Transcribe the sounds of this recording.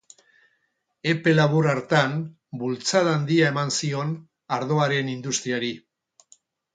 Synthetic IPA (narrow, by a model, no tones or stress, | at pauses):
e̞pe̞laβuraɾt̪an | bult͡saðand̪iae̞mansio̞n | aɾðo̞aɾe̞nind̪ust̪ɾiaɾi